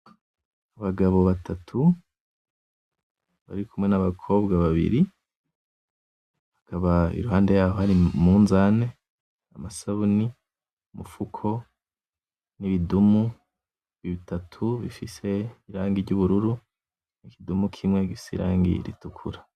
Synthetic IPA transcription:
aβaɡaβo̞βatʰatʰu | βa̰ɾikumŋe̞naβakʰo̞ːbɡaβaβḭɾi | hakaβaḭɾuhaːnde̞jaːho̞haɾimuːnzane̞ | amasaβuni | mufukʰo̞ | niβidumu | βiβitatʰuβḭfise̞iɾaːŋɡiɾɟuβuɾuɾu | nikidumukʰimŋe̞ɡifi̥sḛɾa̰ːŋɡḭɾḭtukʰṵɾa

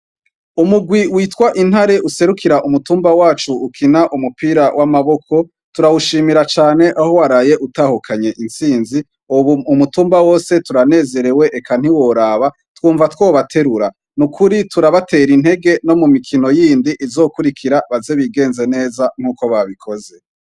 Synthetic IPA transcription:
umuɡwiwiːtwaʔin̥haɾe̞ʔuse̞ɾukʰiɾaʔumutuːmbawaːt͡ʃuːkʰinaʔumupiːɾawʔamaβo̞kʰo̞ | tuɾawuʃiːmiɾat͡ʃaːne̞ʔaho̞waɾaːje̞ʔutahukʰaɲe̞ʔinsiːnzi | uβuumutuːmbawo̞ːse̞tuɾane̞ːze̞ɾe̞we̞ʔːkan̥iwo̞ɾaβa | twuːɱvatwoːβatʰe̞ɾuɾa | nukʰuɾituɾaβate̞ːɾin̥he̞ɡe̞no̞mumikʰino̞jiːndiʔizo̞ːkuɾikʰiɾaβaze̞βiɡe̞ːnze̞ne̞ːzaŋ̥uːko̞βaβikʰo̞ze̞

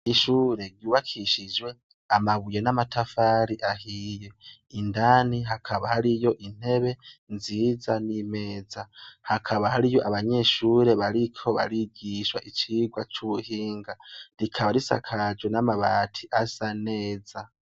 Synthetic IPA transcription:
iʃuːɾe̞ɾɟuːβakʰiʃid͡ʒwe̞ | amaβuje̞namatafaɾiʔahije̞indaːniɦakʰaβahaɾijo̞ʔin̥he̞βe̞nziːzanime̞ːzahakʰaβahaɾijo̞ʔaβaɲe̞ːʃuːɾe̞βaɾikʰo̞βa̰ɾiɟiʃwa̰ʔit͡ʃiːɡwat͡ʃuβuhiːŋɡaɾikʰaβaɾisa̰kʰad͡ʒwe̞namaβaːtʰiʔasane̞ːza

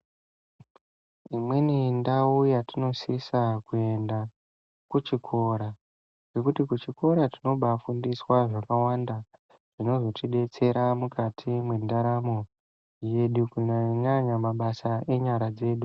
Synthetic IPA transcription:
imwenindaujatino̞sisakue̞nda | kut͡ʃikʰo̞ɾa | ɡe̞kutikut͡ʃiko̞ɾatino̞ɓafundiswaʐakawanda | ʐ̥ino̞zo̞tiɗe̞t͡se̞ɾamukʰatʰimwendaɾamo̞ | je̞ɗukuɲaɲaɲamaɓasaʔe̞ɲaɾad͡ze̞ːɗu

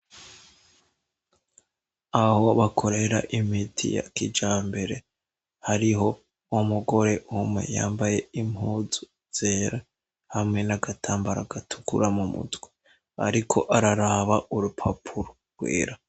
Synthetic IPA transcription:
aho̞βakʰo̞ɾe̞ɾa̰ʔimitʰḭja̰kid͡ʒaːmbe̞ɾe̞ | haɾiɦo̞ | omuɡo̞ɾe̞umŋe̞̰ja̰ːmbaje̞imhuːzu | z̥eːɾa | hamŋe̞naɡatʰaːmbaɾaɡatʰu̥kṵɾamumṵtɡwe | a̰ɾikʰo̞̰ʔaɾaɾaβaʔuɾupʰapʰuɾo̥ | ɡwḭːɾa

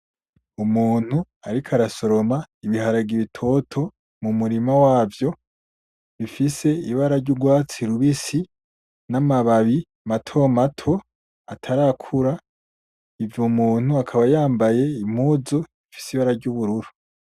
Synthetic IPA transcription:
umuːn̥u | aɾikʰaɾaso̞ɾo̞maiβiɦaɾaɡiβitʰo̞tʰo̞ | mumuɾimawaːvjo̞ | βifise̞iβaɾaɾɟuɡwaːt͡siɾuβisi | namaβaβi | matʰomatʰo̞ | atʰaɾakʰuɾa | ivjomuːn̥huakʰaβajaːmbaje̞im̥huzoifi̥siβaɾaɾɟuβuɾuɾu̥

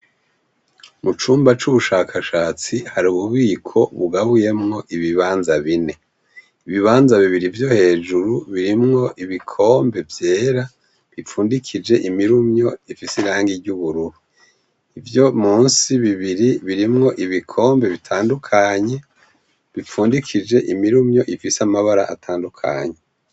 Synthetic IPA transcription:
mut͡ʃuːmbat͡ʃuβuʃaːkʰaʃaːt͡sihaɾuβuβikʰo̞βuɡaβuje̞mŋo̞ʔiβiβaːnzaβine̞ | iβiβaːnzaβiβiɾivjo̞he̞ːd͡ʒuɾuβiɾimŋo̞ʔiβikʰo̞ːmbe̞vje̞ːɾa | βip͡fuːndikʰid͡ʒe̞ʔimiɾumɲo̞ifisiɾaːŋɡiɾɟuβuɾuɾu | ivjo̞muːnsiβiβiɾiβiɾimŋo̞ʔiβikʰo̞ːmbe̞βitʰaːndukʰaɲe̞ | βip͡fuːndikʰid͡ʒe̞ʔimiɾumɲo̞ʔifisamaβaɾa̰ʔatʰaːndukʰa̰ɲe̞

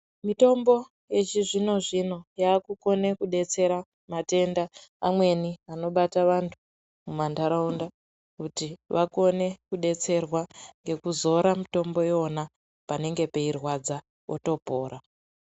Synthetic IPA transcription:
mito̞mbo̞ | je̞t͡ʃiʐino̞ʐino̞jaːkuko̞ne̞kuɗe̞t͡se̞ɾa | mate̞ndaːmwe̞niano̞ɓataʋantʰu | mumandaɾaunda | kutiʋako̞ne̞kuɗe̞t͡se̞rwaŋɡe̞kuzo̞ɾamito̞mbo̞jeona | pane̞ŋɡe̞pe̞irwad͡za | oto̞po̞ːɾa

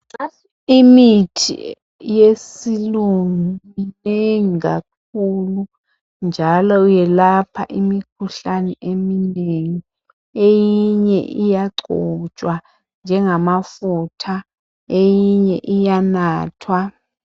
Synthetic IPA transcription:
a | imitʰḭ | jesiluŋimineŋiɡa̰k̚ulu | nd͡ʒʱalɔujɛlapʰa̰ʔimik̚ʰuɬanɛʔemineŋi | ejiɲɛ̰ʔijaɡ͡ǀʱɔt͡ʃʼwa | nd͡ʒʱɛŋamafutʰa | ejiɲɛʔijanaːtʰwa

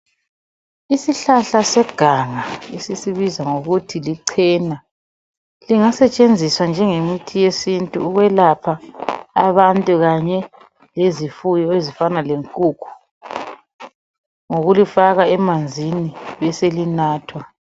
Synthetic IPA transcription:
isiɬaɬasɛɡ̥ʱaŋaesisiβizaŋoɣutʰiliǀʰɛːna | liŋasɛt͡ʃʼend͡zʱiswand͡ʒʱɛŋemitʰijesintʼuuɣwɛlapʰaː | βantʼuɣaɲɛ | lezifujɔezifanaleŋkʼukʰu̥ | ŋoɣulifaɣaɛmand͡zʱiniβɛselinaːtʰwa

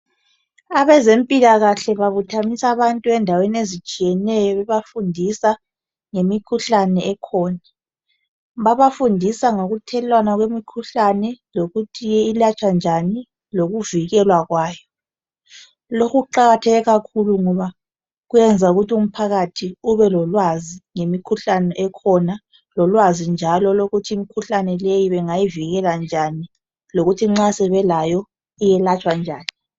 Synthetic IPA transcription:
aβɛzempʼilaɣaɬɛβaβutʰamisaβantʼuɛndʱaweniezit͡ʃʼijɛnɛjɔβɛβafundʱisa | ŋemikʰuɬanɛɛkʰɔːna | βaβafundʱisaŋoɣutʰɛlwanaɣwemikʰuɬanɛloɣutʰijɛilat͡ʃʼand͡ʒʱani | loɣuviɣɛlwaɣwaːjɔ | lokʰuǃaɣatʰɛɣɛɣakʰuluŋɔβa | ɣuɛnd͡zʱauɣutium̩pʰaɣatʰiuβɛlɔlwaziŋemikʰuɬanɛʔɛkʰɔna | lɔlwazind͡ʒʱalɔloɣutʰiːmikʰuɬanɛlejiβɛŋajiviɣɛland͡ʒʱani | loɣutʰiŋ͡ǁasɛβɛlajɔ | ijɛlat͡ʃʼwand͡ʒʱaːni

